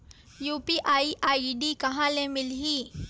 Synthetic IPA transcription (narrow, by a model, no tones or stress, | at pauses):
juːpiʔaːiʔaːiɖikɐɦãlẽmɪlɦiː